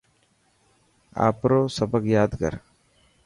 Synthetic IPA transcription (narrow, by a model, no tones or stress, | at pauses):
a̰ːpɾoːsəbəkjaːd̪kə̰ɾ